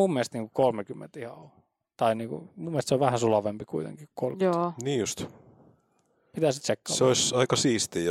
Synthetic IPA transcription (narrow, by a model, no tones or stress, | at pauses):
umːest̪niːŋkukolmekymːḛnt̪ihɑ̰o | t̪ɑiniːŋkṵmumːelst̪seoʋæhænsulɑʋempikuit̪ḛŋkiku̥kolkjoniːjust̪ | pit̪æsit̪t͡ʃekːɑɑ̰ːseoisɑikɑsiːst̪iː